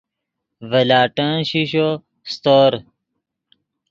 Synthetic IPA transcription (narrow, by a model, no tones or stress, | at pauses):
vɐlaːʈə̃ɕiɕo | st̪oːɾ